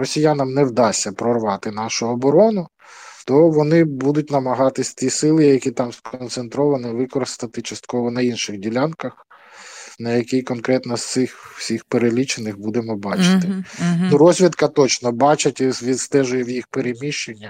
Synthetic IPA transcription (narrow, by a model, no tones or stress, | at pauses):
rɔsʲijanɐmnɛwd̪ɑsʲːɐpɾɔrʋɑt̪ɪnɑʃʊɔbɔɾɔnʊ | t̪ɔʋɔnɪbud̪ʊtʲnɐmɐɦɑt̪ɪsʲt̪ʲisɪlˠɪjjɐkʲit̪ɑmskɔnt̪sent̪ɾɔʋɐnɪʋɪkɔɾɪst̪ɐt̪ɪt͡ʃɐst̪kɔʋɔnɐinʃɪɣdʲilʲankɐx | nɐjɐkʲijkɔnkɾɛt̪nɔst̪sɪxw̥sʲixpeɾelʲit͡ʃenɪxbud̪emɔbɑt͡ʃɪ̥t̪ɪnuɾɔzʲʋʲid̪kɐt̪ɔt͡ʃnɔbɑt͡ʃɐtʲzʋʲid̪st̪ɛʒʊjɛwjixpeɾemʲiʃenʲːɐ